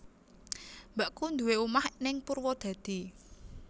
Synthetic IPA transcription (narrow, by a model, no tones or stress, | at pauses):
mbaʔkund̪uweumahnɪŋpurwɔd̪̥a̤d̪̥i̤